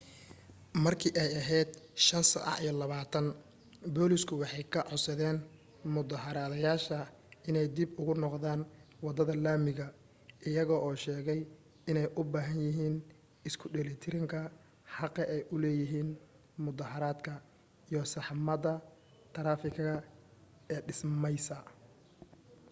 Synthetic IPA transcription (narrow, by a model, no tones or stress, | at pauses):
mɐrkʰiːʔɛjɐɦɛjd̪ʃɐnsɐ̰ʔɑ̰ʕijlɐβaːt̪ʰɐn | bɔːlɪskʰʊwɑħɑjkʰɐʕʊsɐðɛːn | mʊðɐɦɐɾaːðɐjaːʃɐ | ɪnɛjd̪ɪbʊɣʊnɔqðaːnwɑd̪ɐðɐlaːmɪɣɐ | ʔɪjɐɣɔːʔɔːʃɛːɣɛj | ɪnɛjʔʊbaːɦɐnjɪɦiːn | ɪskʰʊɖɛlɪt̪ʰɪɾɪŋkʰɐ | ħɑqɐʔɛjʔʊlɛːjɪɦiːn | mʊðɐɦɐɾaːd̪kʰɐ | ijɔsɑħmɐðɐ | t̪ʰɐɾaːfɪkʰɣɐ | ɛːɖɪsmɛjsɐ